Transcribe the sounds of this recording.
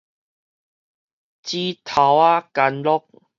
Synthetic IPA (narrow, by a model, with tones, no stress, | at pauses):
t͡ɕi˦t̪ʰa˨˩wa˦ka˧nlɔ˦k̚